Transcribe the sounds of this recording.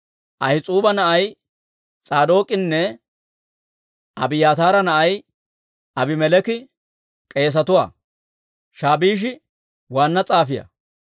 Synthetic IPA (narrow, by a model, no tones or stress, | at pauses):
ʔɐjɪt͡sʼuːbɐnɐʔɐj | t͡sʼaːd̪o̞ːkʼɪnːɛ | ɐbɪjaːt̪aːɾɐnɐʔɐj | ɐbɪmɛlɛkɪ | kʼe̞ːs̬ɐt̪ʊwa̰ː | ʃaːbiːʃ̬ɪ | waːnːɐt͡sʼaːfɪjɐ̰